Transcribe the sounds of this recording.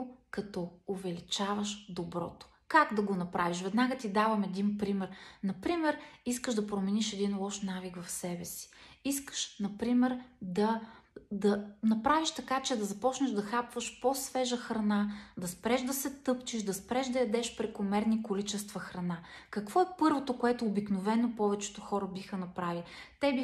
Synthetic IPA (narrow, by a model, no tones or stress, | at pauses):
kɐt̪ɔovɛlit͡ʃavəʃd̪obɾɔ̰t̪o̥ | kaɡd̪ɐɡonɐpɾaviʃvɛd̪naɡət̪id̪avɐmɛd̪inpɾimɛɾnɐpɾimɛɾiskəʒd̪ɐpɾomɛniʃɛd̪inlˠɔʃnaviɡvɐfsɛbɛsi̥iskə̥ʃnɐpɾimɛɾd̪ɐd̪ɐnɐpɾaviʃt̪ɐkat͡ʃɛd̪ɐzɐpɔt͡ʃnəʒd̪ɐxapvəʃposvɛʒəxɾɐnad̪ɐspɾɛʒd̪ɐsɛt̪ɤpt͡ʃiʃd̪ɐspɾɛʒd̪ɐjɐd̪ɛʃpɾɛkomɛɾnikolit͡ʃɛst̪vɐxɾɐnakɐkv̥ɔɛpɤɾvot̪okoɛt̪oːbiknovɛnopɔvɛt͡ʃɛ̥t̪oxɔɾəbixənɐpɾavilit̪ɛbi